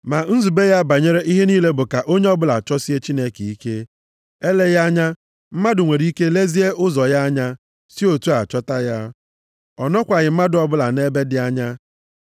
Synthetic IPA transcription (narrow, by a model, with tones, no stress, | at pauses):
ma˨n̩˦zu˨be˦ja˦ba˨ɲe˦ɾe˦ʔi˦ɦe˦niː˦le˦bʊ˨ka˨ʔo˦ɲe˦ɔ˦bʊ˦la˨t͡ʃɔ˦si˦e˦t͡ʃi˦ne˦ke˨i˦ke˦ | e˦le˦ja˦ɲa˦ | m̩˦ma˦dʊ˨ŋʷe˨ɾi˨˦i˦ke˦le˦zi˦e˦ʊ˦zɔ˨ja˦ɲa˦ | si˦o˨tu˦a˨t͡ʃɔ˦ta˦ja˦ | ɔ˨nɔ˦kʷa˨ɲɪ˨m̩˦ma˦dʊ˨ɔ˨bʊ˦la˨ne˦be˦dɪ˨a˦ɲa˦